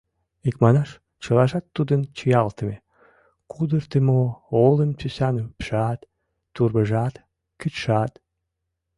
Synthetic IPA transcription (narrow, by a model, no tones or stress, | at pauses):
ikmɑnɑʃ | t͡ɕəlɑʒɑt̪ːud̪ənt͡ɕəjɑlt̪əme | kud̪ərt̪emoolənpysɑnypʃɑt̪ː | urβəʒɑt̪ | kyt̪ʃɑt̪